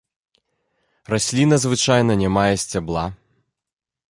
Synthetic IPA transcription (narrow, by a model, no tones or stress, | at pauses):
rasʲlʲinɐzvɨt͡ʂajn̪ɐnʲamajɛsʲt͡sʲablˠa